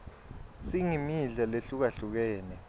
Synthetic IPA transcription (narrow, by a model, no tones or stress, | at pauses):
siŋimiɮaleɬuk̬aɬuk̬ɛːnɛ